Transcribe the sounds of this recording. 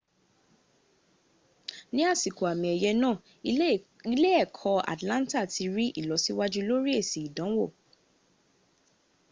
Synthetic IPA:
nĩ˦a˦˨si˨ko˨a˨mĩ˨ɛ˨jɛ˧nãː˦˨ | i˦le˦ɛ˦˨kʰɔ˧a̰˨tlã˦n˦ta˦˨ti˧ɾi˦ʔḭ˦˨lɔ˨˦si˦wa˦d͡ʒu˦lo˦ɾi˦e˦˨si˨i˨dã˨˦wo˦˨

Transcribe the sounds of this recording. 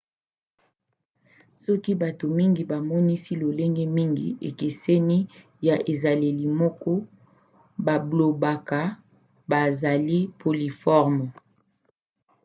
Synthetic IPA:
sɔ˦ki˦ba˨to˨mi˦ŋɡi˨ba˨mɔ˦ni˦si˦lo˨le˦ŋɡɛ˦mi˦ŋɡḭ˨ḛ˨ke˨se˦ni˦ | ja˨ʔe˨za˨le˨li˨mɔ˦kɔ˦ | ba˨blo˨ba˨ka˨ | ba˨za˨li˦pʰo˨li˨fɔ˦ʁm˨

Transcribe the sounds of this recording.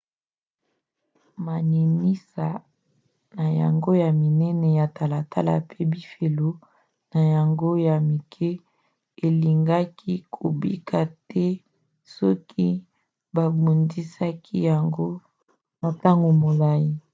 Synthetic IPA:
ma˨ni˨mi˦sa˨ | na˨ja̰˨ŋɡo˦ja˨mi˨nɛ˦nɛ˨ja˨ta˨la˨tʰa̰˦la̰˨pe˦bi˦fe˨lo˦ | na˨ja˨ŋɡo˦ja˨mi˨kʰɛ˦ | e˨li˨ŋɡa˦kʰi˦kʰo̰˨bi˦kʰa˨tɛ˦ | sɔ˦kʰi˦ | ba˨bu˨ndi˦sa˦kʰi˦ja˨ŋɡo˦ | na˨ta˦ŋɡo˨mo˨la˦ji˦

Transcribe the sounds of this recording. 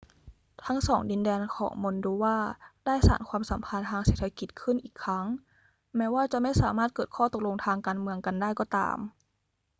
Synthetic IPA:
t̪ʰa˦˥ŋsɔː˩˦ŋdi˧ndɛː˧nkʰɔ̰ː˩˦ŋmo˧nduː˧waː˥˩daː˥˩jsa̰ː˩˦nkʰwaː˧msa˩˦mpʰa˧nt̪ʰaː˧ŋseː˨˩t̪ʰa˧ki˨˩t̪̚kʰɯ˥˩nʔiː˨˩kʰːɾa˦˥ŋ | mɛː˦˥waː˥˩t͡ɕa˨˩ʔma˥˩jsaː˩˦maː˥˩t̪̚kɤː˨˩t̪̚kʰɔː˥˩t̪o˨˩k̚lo˧ŋt̪ʰaː˧ŋkaː˧nmɯ˧əŋka˧ndaː˥˩jkɔː˧˩t̪a̰ː˧m

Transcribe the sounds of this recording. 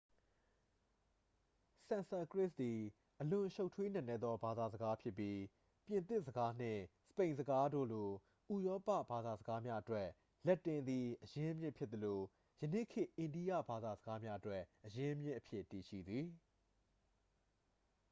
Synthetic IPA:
sã˨nsa˨kɹɪ˦˨sd̪i˨ | ʔəlʊ̃˨ʃo˦ʊtʰwe˦n̥ã˨nɛ˦˨d̪ðɔ˦ba˨d̪a˨zəɡa˦pʰjɪ˦ʔpːji˦ | pjɪ̃˨nt̪ɪ˦ʔsəɡa˦n̥ɪ̰̃˦˨sə̥pẽ˨ɪ̃nzəɡa˦do̰˦˨lo˨ | ʔu˨jɔ˦pä̰˦˨ba˨d̪a˨zəɡa˦mja˦ʔətwɛ˦ | lɛ˦ʔtːɪ̃˨nd̪ði˨ʔəjɪ̃˦ʔə˦mjɪ˦ʔpʰjɪ˦t̪ːəlo˨ | jənḛ˦˨kʰɪ˦˨ʔɪ̃˨ndi˦jä̰˦˨ba˨d̪a˨zəɡa˦mja˦ʔətwɛ˦˨ʔəjɪ̃˦ʔə˦mjɪ˦ʔəpʰjɪ˦ʔti˨ʃḭ˦˨d̪ði˨

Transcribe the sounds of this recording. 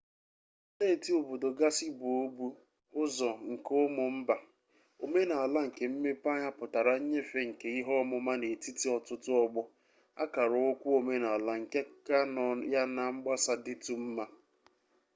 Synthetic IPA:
te˦˨ti˦o˨bo˨do˨ɡa˦si˦bʊ˨o˦bu˦ | ʊ˦zɔ˨ŋ̩˨kʊ˦mʊ˨m̩˦ba˨ | o˨me˦na˨a˨la˦ŋ̩˨ke˨m̩˦me˦pa˦ɲa˦pʊ˨ta˨ɾa˨ɲ̩˦ɲe˦fe˦ŋ̩˨ke˨˦i˦ɦɔ˦mʊ˨ma˦ne˨ti˦ti˦ɔ˨tʊ˦tʊ˦ɔ˦ɡ͡bʊ˦ | a̰˦ka˨ɾʊ˨ʊ˦kʷu˦o˨me˦na˨a˨la˨ŋ̩˨ke˦ka˦˨ja˦na˨ŋ͡m̩˦ɡ͡ba˦sa˨dɪ˦tu˨m̩˦ma˦

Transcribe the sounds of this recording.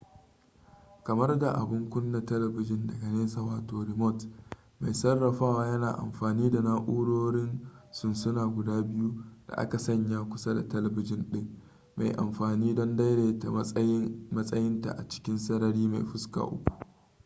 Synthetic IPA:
kɐ˨mɐ˦rɡa˨ʔa̰˨bʊ˦ŋkʷʊ˦nːa˨tɛ˦lɛ˨bɪ˨d͡ʒɪ˦ndɐ˨ɡɐ˨neː˦saː˨waː˨toː˨ɾɪ˨mɔ˦t | ma˨jsɐ˦rːɐ˨ɸaː˦waː˦jɐ˦naː˨ʔa̰˨mɸaː˨niː˦da˨na˦ʔuː˦ɽoː˦ɽɪ˦nsʊ˦nsʊ˦naː˨ɡʷʊ˨daː˦bɪ˦ju˦d̥a̰˨ʔa̰˦ka˨sɐ˦ɲja˦kʷʊ̥˦sa˦da̰˨tɛ˦lɛ˨bɪ˦d͡ʒɪ˦nɗɪ˦ŋ | ma̰˨jʔa̰˨mɸaː˨niː˦dɔ˦nda˦jɽeː˨ta̰˨mɐ˦ɐ˦jɪ˦mɐ˦sʼɐ˦jɪ˦nta̰˨ʔa̰˨t͡ʃɪ̥˦kʲɪ˦nsɐ˦nɐ˦ɾiː˦ma˨jɸʊ˦ska̰ː˨ʔʊ̰˦kʷu̥˨

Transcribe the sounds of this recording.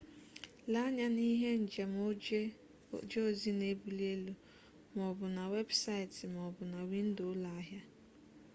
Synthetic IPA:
la˦ɲa˨ni˦ɦe˦n̩˨d͡ʒe˨mo˦ | d͡ʒe˦o˦zi˦ne˦bu˨le˦lu˨ | m˨ɔ˨bʊ˨na˨we˦bsa˦ɪ˨tɪ˨m˨ɔ˨bʊ˨na˨wi˦n̩˦dʊ˨˦la˨a˦ɦja˦

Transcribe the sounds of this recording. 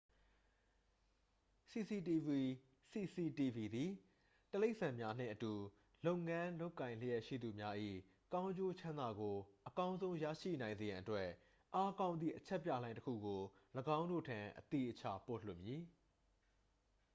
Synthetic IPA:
si˨si˨ti˨vi˨ | si˨si˨ti˨vi˨d̪i˨ | təle˦ɪʔsã˨mja˦n̥ɪ̰̃˦˨ʔətu˨ | lo˦ʊŋã˦lo˦ʊkːã˨ɪ̃l̥ə˦jɛ˦ʔʃḭ˦˨d̪u˨mja˦ʔḭ˦˨ | kã˦ʊ̃ɲd͡ʑo˦t͡ɕʰã˦nd̪a˨ɡo˨ʔəkã˦ʊ̃nzõ˦ʊ̃ja̰˦˨ʃḭ˦˨nã˨ɪ̃nze˨jã˨ʔətwɛ˦ | ʔa˦kã˦ʊ̃nd̪ðḭ˦˨ʔət͡ɕʰɛ˦ʔpːjä̰˦˨lã˦ɪ̃təkʰṵ˦˨ɡo˨ləɡã˦ʊ̃ndo̰˦˨tʰã̰˨ʔət̪ḭ˦˨ʔət͡ɕʰa̰˦˨po̰˦˨l̥ʊ̰˦˨ʔmji˨˦

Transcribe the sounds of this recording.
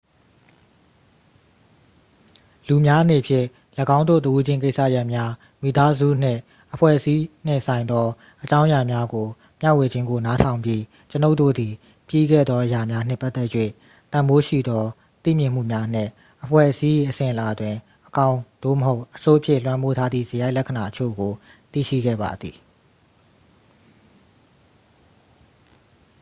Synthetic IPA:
lu˨mja˦ʔə˦n̥e˨pʰjɪ̰̃˦˨ | ləɡã˦ʊ̃nd̪o̰˦˨t̪ə˨ʔu˦d͡ʑɪ̃˦˨ŋk̬e˦sä̰˦˨ja˦ʔmja˦ | mi˨t̪a˦zṵ˦˨n̥ɪ̰̃˦˨ | ʔəpʰwɛ̰˦˨ʔəsi˦n̥ɪ̰̃˦˨sã˨ɪ̃nd̪ðɔ˦ | ʔət͡ɕã˦ʊ̃ja˨mja˦ɡo˨ | mja˦˨we˨d͡ʑɪ̃˦ŋɡo˨na˦tʰã˨ʊ̃mbji˦ | t͡ɕəno˦ʊʔtːo̰˦˨d̪i˨ | pjḭ˦˨ɡɛ̰˦˨d̪ðɔ˦ʔəja˨mja˦n̥ɪ̰̃˦˨pːa˦t̪ːɛ˦ʔjwḛ˦˨ | t̪ã˨mbo˦ʃḭ˦˨d̪ɔ˦ | t̪ḭ˦˨mjɪ̃˦˨m̥ṵ˦˨mja˦n̥ɪ̰̃˦˨ | ʔəpʰwɛ̰˦˨ʔəsi˦ji˨ʔəsɪ̃˨ʔə˨la˨dwɪ̃˨ | ʔəkã˦ʊ̃d̥o̰˦˨məɦo˦ʊʔʔəso˦ʔəpʰjɪ̰˦˨lwã˦mpo˦tʰa˦d̪ðḭ˦˨zə˨ja˦ɪʔlɛ˦kʰə˨na˨ʔət͡ɕʰo̰˦˨ɡo˨t̪ḭ˦˨ʃḭ˦˨ɡɛ̰˦˨ba̰˨d̪ði˨

